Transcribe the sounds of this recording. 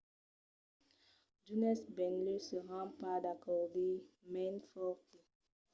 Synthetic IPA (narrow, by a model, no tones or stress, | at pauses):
d͡ʒunɛsbɛnløsəʁɑ̃pad̪akɔʁdemɛ̃nfɔke